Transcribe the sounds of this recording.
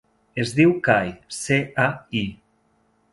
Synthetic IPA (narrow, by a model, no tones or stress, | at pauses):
ezðiwkajseai